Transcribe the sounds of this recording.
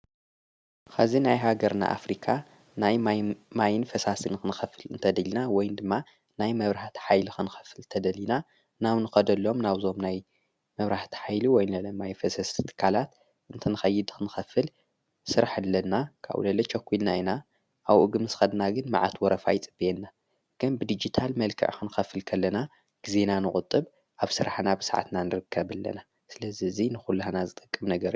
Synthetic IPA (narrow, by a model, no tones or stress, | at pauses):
xazinajɦaɡɐɾna̰ʔa̰fɾikʰa | najmajɪnfɐsasɨnxɨnɨxɐfɨlɨnt̪ʰɐd̪ɐlinawɔjnd̪ɨmːa | najmɐβɾaħt̪ħajlixɨnɨxɐ̥fɨlt̪ʰɐd̪ɐlina | naβnɨxɐd̪ɐlːo̞mnaβzo̞mnaj | mɐβɾaħt̪ʰi̥ħajluwɔjnlɐlɐmajfɐsɐst̪ʰt̪ʰɨ̥kʰːalat̪ | ɨnt̪ʰɨnɨxɐjːɪd̪xʰɨnɨxɐfɨl | sɨɾaħɨlːɐnːakʰa̰β̰lɐlɐt͡ʃʰɐkʰʷːilnaina | ʔawʔuɡɨmɨsxɐd̪naɡɨnma̰ʕa̰t̪ʰwɔɾɐfa̰jt͡sʼɨb̥ienːa | ɡ̥ɨnbɨd̪id͡ʒit̪ʰalmɐlkʰɨ̰ʕxɨnɨxɐfɨlkʰɐlːɐna | ɡ̥izenanɨkʼʊt̪ʼːɨβ | ʔaβsɨɾaħnabɨsaʕa̰t̪nanɨɾɨkʰːɐβɨlːɐ̰na | sɨlɐziɨzinɨxulːɐhnazɨt̪ʼɨkʼːɨmnɐɡɐɾij